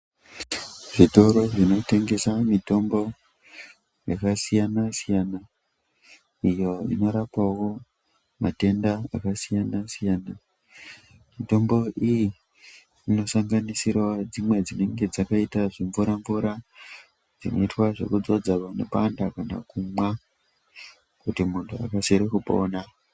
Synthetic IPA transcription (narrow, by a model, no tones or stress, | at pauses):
ʐ̥ito̞ɾo̞ʐino̞te̞ŋɡe̞samito̞mbo̞ | jakasijanasijana | ijo̞ḭno̞ɾapawo̞ | mate̞ndaa̰kasijanasijaːna | mito̞mbo̞ʔiji | ino̞saŋɡanisirwad͡zimwe̞d͡zine̞ŋɡe̞d͡zakaitaʐiɱvuɾaɱvuɾa | d͡zino̞̰itwaʐe̞̰kud͡zo̞d͡zaʋane̞pandakana̰kumwa | kutimuntʰua̰kaseɾekupo̞̰ːna